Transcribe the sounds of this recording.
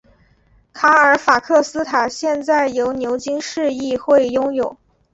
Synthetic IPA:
kʰa˧˥ə˞˨˥fa˨˩kʰɤ˥˩sɹ̩˥t̪ʰa˨˩ɕjɛ˥˧nt͡sa˥˩ɪjo˧˥ʊnjo˧˥ʊt͡ɕi˥ŋʂɻ̩˥˧i˥˧xwe˥˩ɪjʊ˥ŋjo˨˩˦ʊ

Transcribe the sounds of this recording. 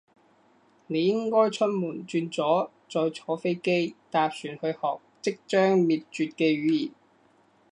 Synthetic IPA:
ne˨˧jɪ˥ŋkɔː˥jt͡sʰɵ˥n̚muː˨˩nt͡ʃyː˧nt͡sɔː˨˥ | t͡sɔː˧jt͡sʰɔː˨˥fe˥jke˥jt̪aː˧p̚syː˨˩nhɵ˧hɔː˨k̚t͡sɪ˥k̚t͡ʃœː˥ŋmiː˨˩t̚t͡ʃyː˨˧t̚kɛː˧ɥyː˨˥jḭː˨˩n

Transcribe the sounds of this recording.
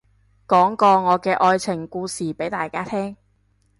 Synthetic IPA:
kɔː˨˥ŋkɔː˧ŋɔː˨˧kɛː˧ʔɔː˧jt͡sʰɪ˨˩ŋkuː˧siː˨˩pe˨˥jt̪aː˨jkaː˥t̪ʰɛː˥ŋ

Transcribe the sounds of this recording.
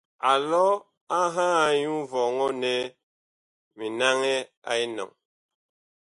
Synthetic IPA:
a˨lɔ˦ | a˦ɦaː˦˨˦ɲu˦vɔ˨ŋɔ˦ne˦ | mi˨na˦ŋɛ˦a̰˨i˦nɔ̰˨ŋ

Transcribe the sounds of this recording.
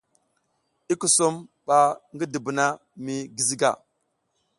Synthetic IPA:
i˦ku˨su˦mɓa˨ŋɡi˦di˨bu˨na˦mi˨ɡi˨zi˦ɡa̰˨

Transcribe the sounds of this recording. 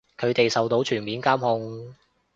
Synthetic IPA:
kʰɵ˨˧ɥt̪e˨jsɐ˨wt̪o˨˧wt͡ʃʰyː˨˩nmiː˨˥nkaː˥mhʊ˧ŋ

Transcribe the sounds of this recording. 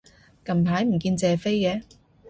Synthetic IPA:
kɐ˨mt̪ʰaː˨˥jm̩˨˩kiː˧nt͡sɛː˨fe˥jkɛː˨˧

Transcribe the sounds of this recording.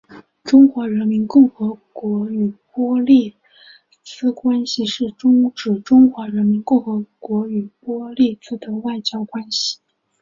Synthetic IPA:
ʈ͡ʂʊ˥ŋxwa˧˥ɻə˧˥nmi˧˥nkʊ˥˩ŋxɤ˧˥kwɔ˧˥y˨˩pwɔ˥li˥˩ | t͡sɹ̩˥kwa˥nɕi˨ʂɻ̩˥˩ʈ͡ʂʊ˥ŋʈ͡ʂɻ̩˨˩ʈ͡ʂʊ˥ŋxwa˧˥ɻə˧˥nmi˧˥nkʊ˥˩ŋxɤ˧˥kwɔ˧˥y˨˩pwɔ˥li˥˩t͡sɹ̩˥d̪ə˧wa˥˩ɪt͡ɕjɑ˥ʊkwa˥nɕi̥˨˩

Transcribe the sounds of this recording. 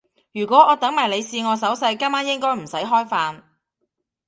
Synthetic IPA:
jyː˨˩kʷɔː˨˥ɔː˨˧t̪ɐ˨˥ŋmɐ˨˩nle˨˧jsiː˧ŋɔː˨˧sɐ˨˥wsɐ˧jkaː˥maː˥njɪ˥ŋkɔː˥jm̩˨˩sɐ˨˥jɦɔː˥jfaː˧n

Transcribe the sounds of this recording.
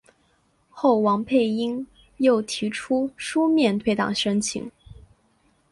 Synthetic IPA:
xo˥˩ʊwɑ˧˥ŋpʰe˥˩ɪi˥ŋ | jo˥˩ʊt̪ʰi˧˥ʈ͡ʂʰu˥ʂu˥mjɛ˥˧nt̪ʰwe˥˧ɪt̪ɑ̰˨˩ŋʂə˥nt͡ɕʰḭ˧˥ŋ

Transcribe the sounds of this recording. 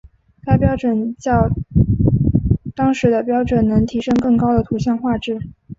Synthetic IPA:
k̪a˥˩ɪpjɑ˥ʊʈ͡ʂwə˨˩nt͡ɕjɑ˥˩ʊ | t̪ɑ˥ŋʂɻ̩˧˥d̪ə˧pjɑ˥ʊʈ͡ʂwə˨˩nnɤ˧˥ŋt̪ʰi˧˥ʂɤ˥ŋkɤ˥˩ŋkɑ˥ʊd̪ə˨t̪ʰu˧˥ɕjɑ˥˧ŋxwa˥˧ʈ͡ʂɻ̩˥˩

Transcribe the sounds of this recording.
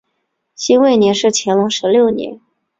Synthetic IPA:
ɕi˥nwe˥˩ɪnjɛ˧˥nʂɻ̩˥˩t͡ɕʰjɛ˧˥nlʊ˧˥ŋʂɻ̩˧˥ljo˥˩ʊnjɛ̰˧˥n

